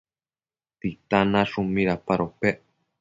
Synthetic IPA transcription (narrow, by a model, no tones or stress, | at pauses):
t̪it̪anãʂumĩɾapaɾope